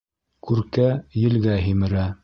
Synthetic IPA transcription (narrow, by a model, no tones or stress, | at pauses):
kʉɾkæjɘ̆lɡæɦimɘ̆ɾæ